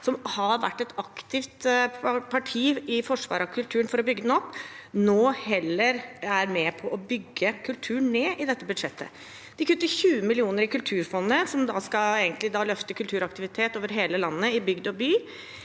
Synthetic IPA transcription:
sɔmhɑɾʋæ̰ʈːɛt̪ɑkt̪ɪft̪pʰɑʈʰiːɪfɔʂʋɑ̰ːɾɑkʰʉlt̪ʰʉːɾənfɔɾɔbʏɡːəd̪ɛnɔpːnoːhɛlːəɾæɾmɛpʰɔʔɔbʏɡːəkʰʉlt̪ʰʉːɳneːʔɪd̪ɛt̪ːəbʉd̪ʂɛt̪ːə̰ | d̪̥ɪkʉt̪ːəçʉːəmɪlɪuːnəɾɪkʉlt̪ʰʉːɾfɔnːəsɔmd̪ɑskɑeːɡənt̪lɪd̪ɑːlœft̪əkʰʉlt̪ʰʉːɾɑkt̪ɪʋɪt̪ʰeːt̪oːʋəɾɦeːləlɑnːəɪbʏɡd̪ɔbyː

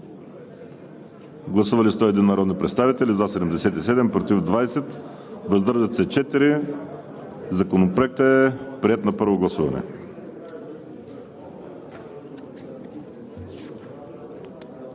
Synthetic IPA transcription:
ɡlˠɐsuvɐlist̪ɔɛd̪inːɐɾɔd̪nipɾɛt̪st̪avit̪ɛlizasɛd̪ɛmd̪ɛsɛt̪isɛd̪ɛmpɾot̪ivd̪vajsɛt̪ | vəzd̪ɾʒət̪sɛt͡ʃɛt̪iɾi | zɐkonopɾoɛk̚t̪əɛpɾiɛt̪nɐpɤɾvoɡlˠɐsuvɐ̰nɛ̰

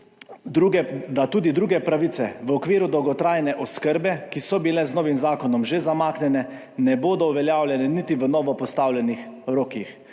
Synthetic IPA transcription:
ɾuɛd̪at̪uːd̪id̪ɾuːɡɛpɾaʋit̪sɛʋəɔkʋiːɾud̪ɔwɡɔt̪ɾaːjnɛʔɔskəɾbɛkisɔbilɛznɔːʋimzaːkɔnɔmʒezamaːknɛnɛ | nɛboːd̪ɔuʋɛljaːwlʲjɛnɛnit̪iʋənɔːʋɔpɔst̪aːwlʲjɛnixɾoːkix

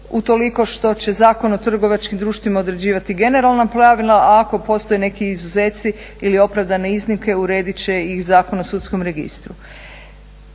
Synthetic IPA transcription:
ut̪o̞liko̞ʃt̪o̞t͡ɕe̞zaːko̞not̪r̩ɡo̞ʋat͡ʃkimd̪ɾuːʃt̪ʋimao̞d̪ɾe̞d͡ʑiːʋat̪iɡe̞ne̞ɾalˠnapɾaʋilˠaaːko̞po̞st̪o̞jene̞kiːzuze̞ːt̪si | ilio̞pɾaʋd̪ane̞iznimke̞uɾe̞ːd̪it͡ɕe̞ixzaːko̞nosut̪sko̞mɾe̞ɡḭst̪ɾu

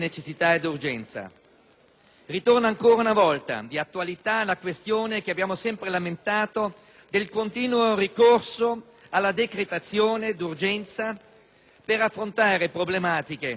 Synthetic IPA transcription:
net͡ʃesːit̪aed̪urd͡ʒɛnt̪sa̰ | rit̪ornaŋkoːɾaunavɔlt̪a̰d̪iat̪ːualit̪alakwest̪joːnekeabːjaːmosɛmpɾelament̪aːt̪o | d̪elkont̪iːnworikorso | alːad̪ekɾet̪at̪sːjoːned̪urd͡ʒɛnt̪sa | peɾafːɾont̪aːɾepɾoblemaːt̪ike

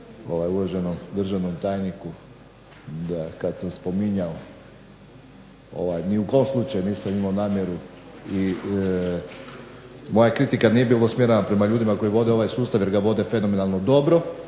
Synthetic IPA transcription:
o̞ʋajuloʒenomd̪r̩ʒanomt̪aːjniku | d̪akad̪samspo̞miɲao | o̰ʋajniukoomslˠuːt͡ʃajuniːsamimaonaːmje̞ɾu | i | mo̞jakɾit̪ikanijebiːlˠosmʲje̞ɾenapɾe̞maʎuːd̪imako̞jiʋo̞d̪e̞o̞ʋajsuːst̪aʋje̞ɾɡaʋo̞d̪e̞fe̞no̞me̞nalˠno̞d̪o̞bɾo̞

